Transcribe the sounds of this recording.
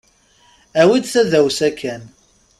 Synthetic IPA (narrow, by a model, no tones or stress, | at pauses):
æwid̪θæðæwsækːæn